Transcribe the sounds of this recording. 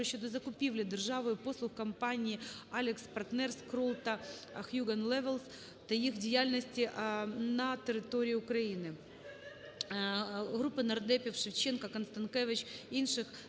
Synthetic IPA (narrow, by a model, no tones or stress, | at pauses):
ɐɕːot̪ɐzɐkʊpʲivlʲɪd̪ɨrʐavʊjʊpo̞slˠʊxkɐmpanʲɪːalʲɪkspɐrt̪nɛrskɾolˠt̪ɐxjʲuɡɐnlˠɛvʲəlˠs | t̪ɐixdʲɪjalʲnəsʲtʲɪʔnɐt̪ʲɪɾʲɪt̪o̞ɾʲɪːʊkɾɐinɨ | ɣɾupːɨnɐrd̪ɛpʲɪfʂɨft͡ɕenkɐkɐnst̪ɐnkevʲɪt͡ɕinʂɨx